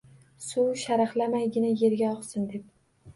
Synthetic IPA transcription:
suwʃaɾaχlamajɡʲɪnaje̞ɾɡʲaɒqsɪnd̪e̞p̚

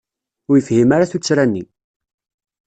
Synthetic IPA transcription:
ʊɾjəfhimaɾaθut͡sːɾænːi

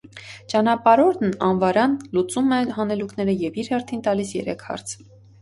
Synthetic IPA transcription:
t͡ʃɑnɑpɑɾɔɾnɑnvɑɾɑnlut͡sumɛɦɑnɛlukʰnɛɾəjɛviɾhɛɾt̪ʰint̪ɑlisjɛ̰ɾɛ̰kʰhɑ̰ɾt͡sʰ

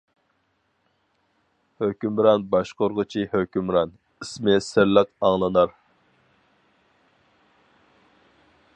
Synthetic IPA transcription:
høkʲymɾɑnbɑʃqoɾʁʊt͡ʃʰihøkʲymɾɑn | ismɪsɪɾləqɑŋlˠɨnɑɾ

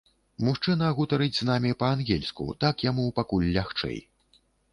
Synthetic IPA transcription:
muʂt͡ʂɨnɐɣut̪ɐɾɨd͡zʲznamʲipɐːnɣʲɛlʲskṵt̪akjamupakulʲːaxt͡ʂɛ̰j

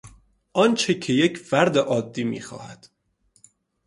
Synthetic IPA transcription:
ʔɒːnt͡ʃʰecʰejecʰfæɾd̪eʔɒːd̪ːiːmḭːxɒ̰ːhæ̰d̪̥

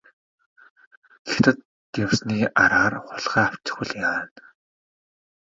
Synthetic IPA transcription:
it̪ʰə̆t̪ː | jawsniːaɾaːrχʊɮʁæːaw̥t͡ɕɪ̥̆χʊ̆ɮjaːn

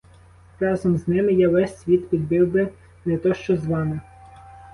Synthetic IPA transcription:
rɑzɔmznɪmɪjaʋɛsʲsʲʋʲit̪pʲid̪̚bɪwbɪ | nɛt̪ɔʃt͡ʃɔzʋɑmɪ

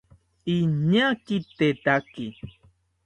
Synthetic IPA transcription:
iɲakit̪et̪aki

